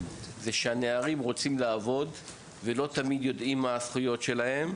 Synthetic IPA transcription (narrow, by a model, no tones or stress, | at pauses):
zeʃeane̞aʁimʁo̞t͡simlaːvo̞d̪ | velo̞t̪amid̪jo̞d̪imaːsχujo̞tʃe̞lahe̞m